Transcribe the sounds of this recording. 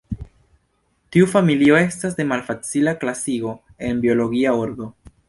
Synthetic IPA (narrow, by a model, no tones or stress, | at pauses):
tiufamilio̞e̞stas̬de̞malfat͡silaklasiɡo̞ | e̞nbio̞lo̞ɡiaoɾdo̞